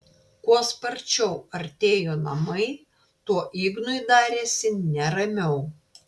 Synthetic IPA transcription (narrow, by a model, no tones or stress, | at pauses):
kuɔspɐɾʲt͡ʃʲɛʊɐɾʲt̪ʲeːjoːnɐ̰mɐɪ | t̪uɔʔiːɡnʊid̪ɑːɾʲeːsʲɪnʲɛɾɐmʲɛʊ